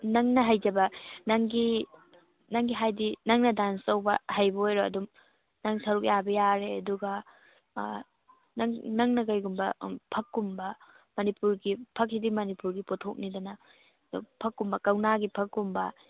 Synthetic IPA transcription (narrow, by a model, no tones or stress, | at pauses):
nɐŋnɐɦajzɐbɐnɐŋɡi | nɐŋɡiɦajdinɐŋnɐdansɐwbɐhajbɐojɾoɐ̰dum | nɐŋsɐɾuk̬̚jabɐjaɾeɐduɡɐ | nŋnɐŋnɐɡɐjɡumbɐpʰɐkːumbɐ | mɐnipuɾɡipʰɐk̚sidimɐnipuɾɡipotʰok̚nidɐnɐ | dupʰɐkːumbɐkɐwnaɡipʰɐkːumbɐ